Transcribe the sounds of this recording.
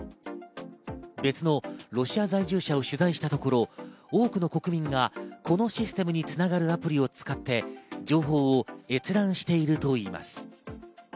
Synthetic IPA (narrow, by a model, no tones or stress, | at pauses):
be̞t͡sɨno̞ɾo̞ɕiazaiʑɨːɕao̞ɕɨzaiɕi̥t̪at̪o̞ko̞ɾo̞oːkɯno̞ko̞kɯ̟mʲĩŋɡakʰo̞no̞ɕisɨ̥t̪e̞mɯ̟ɲ̟it͡sɨnaɡaɾɯ̟apɯ̟ɾʲio̞t͡sɨ̥kat̪ːe̞d͡ʑo̞ːɦo̞ːe̞t͡sɨɾãɰ̃ɕi̥t̪e̞iɾɯ̟t̪o̞iːma̰sɨ̥